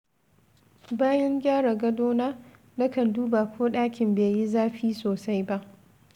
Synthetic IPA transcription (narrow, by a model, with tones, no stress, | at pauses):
baː˦jɐ˦ŋɡʲaː˦ɽa˨ɡɐ˦doː˦naː˦ | nɐ˦kɐ˨nduː˦ba˨kʷʰoː˦ɗaː˦kʲɪ˨mbeː˨ji˦zaː˦ɸiː˦soː˨sa˦jba˦ʔ